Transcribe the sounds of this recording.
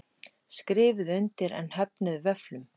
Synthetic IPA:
skɾɪːvɪðʏnt̪ɪɾɛ̰nhɛpnɪðvɛflʏm

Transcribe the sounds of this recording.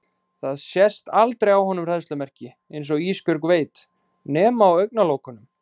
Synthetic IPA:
θaðsjɛst̪alt̪ɾejawɦɔnʏmr̥ɛðst̪lʏmɛr̥cɪ | ejnsɔɣispjœɾkveːjt̪ | nɛːmaawœɥk̚naloːwkʏnʏm

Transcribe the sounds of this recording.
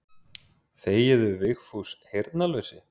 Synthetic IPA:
θeːjɛðʏvɪxfushejɾt̪nalœɥsɪ

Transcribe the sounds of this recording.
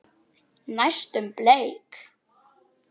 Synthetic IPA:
najst̪ʏmpleːjk

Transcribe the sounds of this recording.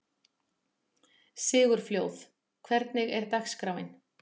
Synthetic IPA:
sɪːɣʏɾ̥fljoːwθ | kʰvɛɾt̪nɪɣɛɾt̪axskɾaːwɪn

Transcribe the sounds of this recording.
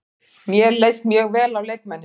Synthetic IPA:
mjɛɾlejst̪mjœːɣvɛːlawlejk̚mɛnːɪ

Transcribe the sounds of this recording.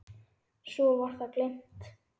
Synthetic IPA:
sɔvar̥θaklejm̥t̪

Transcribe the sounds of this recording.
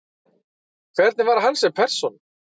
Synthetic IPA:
kʰvɛɾt̪nɪvaɾɦanːsɛmpʰɛr̥sɔn

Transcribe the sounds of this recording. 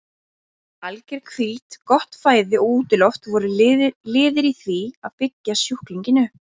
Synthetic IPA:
alcɛɾ̥kʰviːt̪kɔht̪faːjðɪɔɣuːt̪ɪlɔft̪vɔɾʏlɪːðɪɾiθviaðpɪcːasjuhkliɲcɪnʏ

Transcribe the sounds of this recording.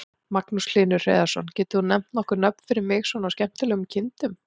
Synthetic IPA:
maknuslɪːnʏ̥r̥ḛːðḁsɔnːcɛːt̪ɪhunɛm̥t̪nɔhkʏɾnœpn̥fɪɾɪɾmɪɣsvɔnawscɛm̥t̪ɪlɛɣʏmcʰɪnt̪ʏm

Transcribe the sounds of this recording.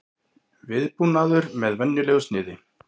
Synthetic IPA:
vɪðpunaðʏɾmɛðvɛnːʏlɛɣʏst̪nɪːðɪ

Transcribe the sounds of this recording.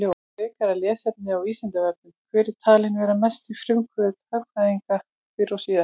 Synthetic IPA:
lɪaɾɪːkaɾaljɛːsɛp̚nɪawist̪ɛnt̪avɛɾknʏmkʰvɛːɾɪt̪ʰaːlɪnvɛːɾamɛst̪ifɾʏmkʰvʏðt̪œaðiŋka | fɪɾɔsiːða

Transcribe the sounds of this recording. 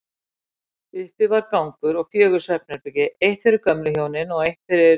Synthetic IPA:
ʏhpɪvaɾkawŋkʏɾɔɣfjœːɣʏɾ̥sɛp̚nɪɾpɪcɪʔejht̪fɪɾɪɾkœmlʏçjoːwnɪnɔɣejht̪fɪɾɪɾ

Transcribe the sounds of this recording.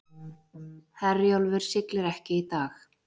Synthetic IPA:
hɛrjowlvɪɾ̥sɪklɪɾɛhcɪit̪aːx

